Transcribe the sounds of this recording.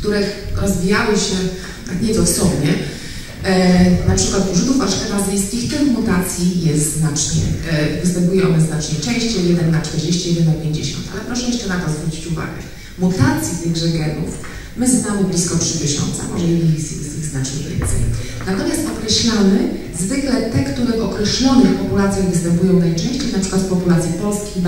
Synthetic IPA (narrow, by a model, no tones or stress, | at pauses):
kt̪uɾɛxɾɔzvʲijawɔɕɛ | t̪akɲɛsɔsɔbɲɛ | napʂɘkwat̪uʐud̪ufaʂxɛbazɘjskʲixt̪ɛmmut̪at̪sʲjijɛst̪zznat͡ʂɲɛ̰vɨst̪ɛmpujɛʔɔnɛznat͡ʂɲɛt͡ʂɛ̃w̃ɕt͡ɕɛjɛd̪ɛnːat͡ʂt̪ɛɾd͡ʑeɕt͡ɕijɛd̪ɛnːapʲjeɲd͡ʑḛɕɔ̰nt̪ʰalɛpɾɔʂɛjɛʂt͡ʂɛnat̪ɔzvɾut͡ɕi̥t͡ɕuva̰ɡɛ̰ | mut̪at̪sʲjizɛɡʐɛɡɛnuf | mɘzɔznamɘblʲiskɔtʂɘp̪ʲeɕɔ̰nt̪sa̰mɔʐɛjɛiisijɛsiznat͡ʂɲɛvʲjɛ̰nt̪sɛ̰j | nat̪ɔmʲjast̪ɔkɾɛɕlamɘ | zvɘklɛt̪ɛkt̪uɾɛʔɔkɾɛɕlɔnɛfpɔpulat̪sʲjajvɨst̪ɛmpujɔ̃w̃najt͡ʂɛ̃w̃ɕt͡ɕejnapʂɘ̥kwat̪pɔpulat̪sʲjɛpɔlskʲijn